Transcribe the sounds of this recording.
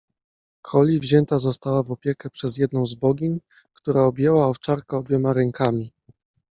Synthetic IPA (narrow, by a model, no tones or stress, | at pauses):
kʰɔlʲivʑɛnt̪azɔst̪awavɔpʲjɛkɛpʂɛzjɛd̪̚nɔ̃w̃zbɔɡʲiɲ | kt̪uɾaɔbʲjɛwaɔft͡ʂaɾkɛɔbjɔmaɾɛŋkʰamʲi